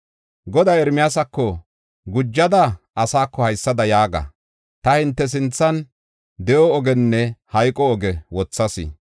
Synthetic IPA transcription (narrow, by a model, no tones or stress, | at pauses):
ɡɔd̪ɐjɛɾmɪjaːsɐkːɔ | ɡʊd͡ʒːɐd̪ɐʔɐsaːkːɔhɐjsːɐd̪ɐjaːɡɐ̰ | t̪ɐhɪnt̪ːɛs̬ɪnt͡sːɐn | d̪ɛjɔɔɡɛnːɛhɐjkʼɔːɡɛwɔt͡sːɐsḭ